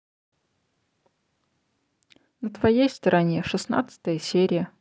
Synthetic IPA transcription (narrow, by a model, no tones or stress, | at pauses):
nət̪vɐjejst̪əɾʔɐnʲeʂɨsna̰t̪səɨ̥t̪əjəsʲeɾʲɪjə